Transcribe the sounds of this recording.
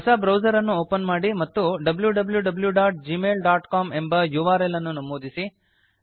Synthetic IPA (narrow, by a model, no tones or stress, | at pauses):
ɦɐsɐbɾɐwd͡ʒɐɾɐnːuoːpɐnmaːɽimɐt̪ːuɖɐbljuɖɐbljuɖɐbljuɖaːʈ̚d͡ʒimeːlɖaːʈkaːme̞mbɐjuʋaːɾelɐnːunɐmoːd̪isi